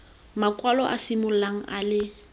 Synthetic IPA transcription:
makʼwalɔʔa̰simʊlaŋ̩ʔalɪ

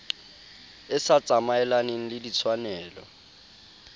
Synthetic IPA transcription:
ɪsat͡sʼamaɛlaneŋ̩lɪlit͡sʰwanɛːlɔ

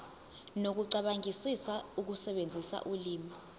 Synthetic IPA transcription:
nok̬uǀaɓaŋʱisisauk̬usɛɓend͡zʱisa̰ʔuliːma

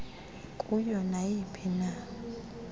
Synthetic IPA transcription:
kʼujɔnajipʰina

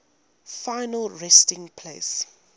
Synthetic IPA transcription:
faɪnəlɹɛstɪ̃ŋpʰleːs

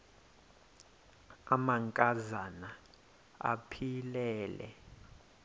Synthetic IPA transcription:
amaŋkʼazana | a̰pʰilɛːlɛ̰

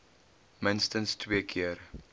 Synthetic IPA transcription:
mənstənstʰwiəkʰiər

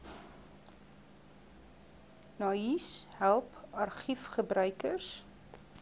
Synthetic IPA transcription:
nɑishælˠpɐrχifχəbɾœɥkərs

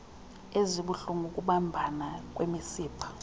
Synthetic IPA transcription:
eziɓuɬuŋʱuk̬ʼuɓambʱanak̬ʼwemisiːpʰḁ

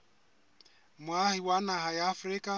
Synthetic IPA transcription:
mwahiwanaɦajaːfʊɾɪkʼa

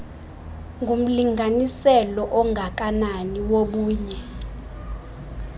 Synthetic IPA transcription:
ŋɡʱum̩liŋʱanisɛlɔʔɔŋʱak̬ʼananiwoɓuːɲɛ

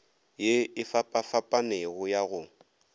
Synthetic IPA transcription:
jeɪfapʼafapʼaneɣʊjaɣʊ

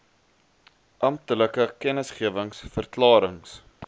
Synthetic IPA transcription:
ʔɐmtələkəkɛnəsχiəvəŋsfərklɑːɾəŋs

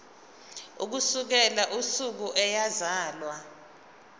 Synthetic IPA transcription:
ṵk̬usuk̬ɛlaʔusuk̬uʔɛjazaːlwa

